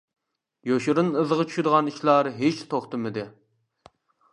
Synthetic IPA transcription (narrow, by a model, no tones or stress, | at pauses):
joʃuɾɨnɨzəʁət͡ʃʰy̥ʃɪd̪əʁɑniʃlˠɑɾɦet͡ʃt̪ʰoχt̪ɨmɨd̪ɪ